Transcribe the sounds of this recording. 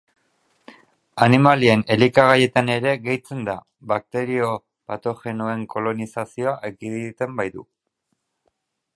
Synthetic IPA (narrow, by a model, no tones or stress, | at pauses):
animalie̞ne̞likaɣ̞aje̞t̪ane̞ɾe̞ɣe̞jt͡se̞nd̪a | βak̚t̪e̞ɾio̞ | pat̪o̞xe̞noe̞ŋko̞lo̞nisasio̞aʔekiðit̪e̞mbajðṵ